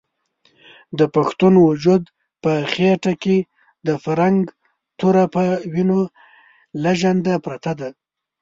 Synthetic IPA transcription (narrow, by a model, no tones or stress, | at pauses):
d̪əpaxt̪unwʊd͡ʒud̪ | pəxeʈake | d̪əfaɾaŋɡ | t̪uɾapəwino | laʒand̪apɾat̪ad̪a